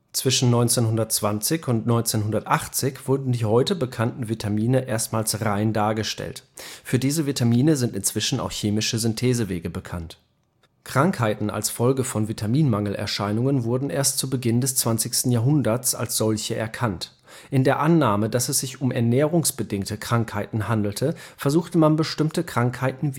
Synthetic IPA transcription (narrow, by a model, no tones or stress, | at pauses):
t͡sv̥ɪʃn̩nːɔʏnt͡senhʊndɐtt͡sv̥ant͡sɪçʊntnɔʏnt͡seːnɦʊndɐtʔaχt͡sɪçv̥ʊɐdn̩diːhɔʏtəbəkʰantn̩vitʰamiːnəʔeːɐstmaːlsʁaɪndaːɐɡəʃtɛ̰ltfyːɐdiːzəvitʰamiːnəzɪntɪnt͡sv̥ɪʃn̩a̰ʊxçeːmɪʃəzʏntʰeːzəveːɡəbəkʰant | kʁ̥aŋkhaɪtn̩a̰lsfɔlɡəfɔnvitʰamiːnmaŋl̩ʔɛ̰ɐʃaɪnʊŋənvʊɐdn̩ʔeːɐstt͡subəɡɪndɛst͡sv̥ant͡sɪçstn̩jaːɦʊndɐt͡sa̰lsz̥ɔlçəʔɛ̰ɐkʰant | ʔɪndeːɐʔanːaːmədasɛsz̥ɪçʊmɛɐnɛːʁ̞ʊŋsb̥ədɪŋktəkʁ̥aŋkhaɪtn̩ɦandl̩tʰəfɛɐzuːxtəmanbəʃtɪmtəkʁ̥aŋkhaɪtn̩